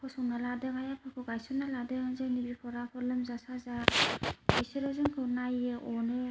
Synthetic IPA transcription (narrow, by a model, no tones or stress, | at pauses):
pʰɔsɔŋnaladɯŋajapʰɯkʰɯɡajsɔnaladɯŋzɯnibipʰɔɾapʰɔlɯmzasaza | isɯɾɯzɯŋkʰɯwnajɯʔɔnɯ